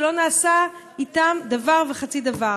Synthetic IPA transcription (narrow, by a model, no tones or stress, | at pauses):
lo̞naːsa | itamd̪avaʁveχat͡sid̪ava